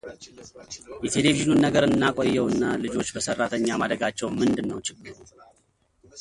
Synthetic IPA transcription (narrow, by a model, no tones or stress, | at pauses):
jɛt̪ʰe̞le̞viʒinunːəɡəɾɨnːakʼojːɛwɨnːalɨd͡ʒo̞t͡ʃːbəsərːat̪ʰəɲːamad̪ɾəɡat͡ʃːɛwmɨnd̪ɨnːəwt͡ʃɪɡːɨɾ